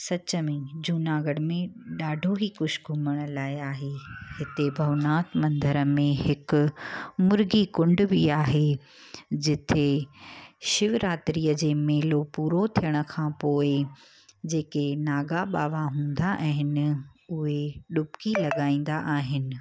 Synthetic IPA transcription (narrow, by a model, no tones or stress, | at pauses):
sɐt͡ɕəmẽd͡ʑuːnaːɡəɽmẽɗaːɖʱoɦikʊʃɡʱʊməɽ̃laːɪaːɦeːhɪt̪ebʱɐʋnaːt̪mɐ̃nd̪əɾəmẽɦɪkʊ̆mʊɾɡikʊ̃ɳɖbiaːɦe | d͡ʑɪt̪ʰe | ʃɪʋɾaːt̪ɾiːəd͡ʑeːmeːlopuːɾot̪ʰijəɽ̃ə̆kʰãːpoːɪ | d͡ʑeːkenaːɡaɓaːʋaɦũːnd̪aʔɛ̃ːɦɪnɪ̆ʊɦeɗʊpkilɐɠaːĩːn̆d̪aʔaːɦɪnɪ̆